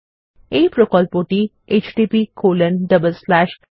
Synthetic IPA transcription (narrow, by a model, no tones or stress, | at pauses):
epɾokɔːlpoːʈi | ʔeːt͡ʃɖiːpikʰoːlə̃nɖəbəlslæːʃ